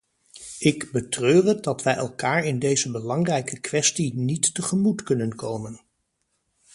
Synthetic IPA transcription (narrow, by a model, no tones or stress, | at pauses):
ɪkbətrøːrət̚dɑtʋɛjɛlˠkaːɹɪndejzəbəlɑŋrɛjkəkʋɛstinitːəχəmutkɵnənkowmən